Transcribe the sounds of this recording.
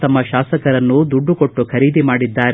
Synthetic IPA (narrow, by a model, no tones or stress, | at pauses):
t̪ɐmːɐʃaːsɐkɐɾɐnːud̪uɖːukoʈːukʰɐɾiːd̪imaːɽid̪ːaːɾ